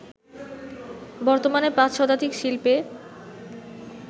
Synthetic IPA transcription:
bɔɾt̪omanepãt͡ɕʃɔd̪ad̪ikʃilpe

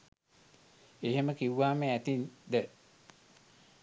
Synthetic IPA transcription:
eɦeməkiwːaːmeæt̪ind̪e

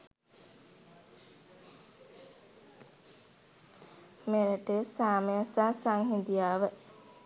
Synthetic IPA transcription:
meɾəʈesaːməjasaːsaŋɦind̪ijaːʋə

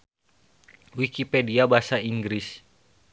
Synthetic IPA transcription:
wikipediabasaiŋɡɾis

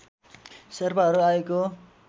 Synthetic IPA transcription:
sʌrbaɦʌɾuaeko

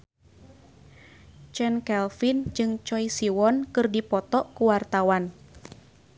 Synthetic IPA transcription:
t͡ʃɛnkɛlfind͡ʒɨŋt͡ʃɔisiwɔnkɨrdipɔt̪ɔʔkuwart̪awan

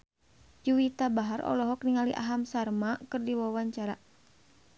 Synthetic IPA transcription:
d͡ʒuwit̪abaɦarʔɔ̰lɔɦɔk̚niŋaliʔa̰ɦamsarmakɨrdiwawaɲt͡ʃaɾa

